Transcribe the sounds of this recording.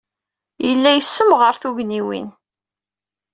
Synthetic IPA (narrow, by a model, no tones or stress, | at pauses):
jəlːæjəsːəmʁəɾθuʝniwḭn